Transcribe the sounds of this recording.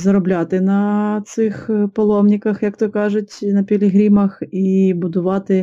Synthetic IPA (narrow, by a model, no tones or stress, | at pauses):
zɐɾɔblʲɑt̪ɪnɐt̪sɪxpɐlˠɔmnʲɪkɐxjɐkt̪ɔkɑʒɪtʲnɐpʲɪlʲɪɦɾʲimɐxibʊd̪ʊʋɑt̪ɪ